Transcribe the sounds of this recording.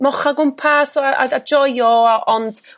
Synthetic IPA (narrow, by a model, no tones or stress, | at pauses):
mɔχaɡʊmpʰasɔaa̰dad͡ʒɔjɔaʔɔnd̥